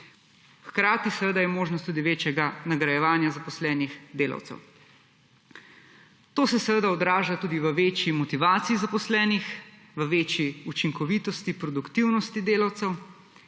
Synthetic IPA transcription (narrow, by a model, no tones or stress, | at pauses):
xkɾaːt̪isɛʋəd̪ajɛmoːʒnɔst̪uːd̪iʋeːt͡ʃjɛɡanaɡɾɐjɛʋaːnjazapɔslɛːnixd̪eːla̰wt̪sɛ̰w | t̪oːsɛsɛʋəd̪aɔd̪ɾaːʒat̪uːd̪iʋəʋeːt͡ʃjimɔt̪iʋaːt̪siizapɔslɛːnix | ʋəʋeːt͡ʃjiut͡ʃiŋkɔʋiːt̪ɔst̪ipɾɔd̪ukt̪iwnɔst̪id̪eːlawt̪sɛw